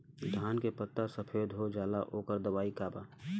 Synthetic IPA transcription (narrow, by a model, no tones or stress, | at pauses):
d̪ʱaːnkepət̪ːasəpʰeːd̪ɦod͡ʒaːlaʔoːkəɾd̪əʋaːikaːbaː